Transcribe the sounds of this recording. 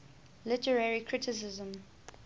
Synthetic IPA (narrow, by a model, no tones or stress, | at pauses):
lɪtəɹɛɹikʰɹɪtʰɪs̬ɪzə̃m